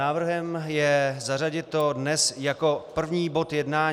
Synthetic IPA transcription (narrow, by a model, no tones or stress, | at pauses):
aːvr̩ɦɛmjɛzaraɟɪt̪̚ːo̞dnɛsjako̞pr̩vɲiːbo̞t̪jɛdnaː